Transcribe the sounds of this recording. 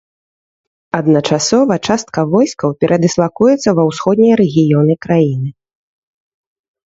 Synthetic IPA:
ɐd̪nɐt͡ʂasɔvɐt͡ʂast̪̚kɐvɔjskɐwpʲɛɾʔɐd̪ɨslˠakujɛt̪sːɐvɐwsxɔd̪nʲijɐɾɛɣʲijɔnɨkɾajinɨ

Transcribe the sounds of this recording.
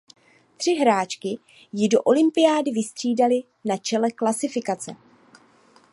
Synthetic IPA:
t̪r̥ɪɦɾaːt͡ʃkɪ | jɪdo̞ʔo̞lɪmpɪjaːdɪvɪst̪r̝̥iːdalɪ | nat͡ʃɛlɛklasɪfɪkat͡sɛ

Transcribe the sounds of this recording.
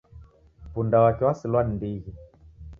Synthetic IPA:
pundawakɛwasilwanndiɣi

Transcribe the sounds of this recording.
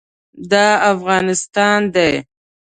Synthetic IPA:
d̪ɑafɣɑnɪst̪ɑnd̪aj

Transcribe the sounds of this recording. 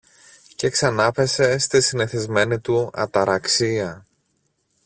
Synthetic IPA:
ce̞ksɐnɐpe̞se̞st̪isineθizme̞nit̪uɐ̰t̪ɐɾɐksiɐ

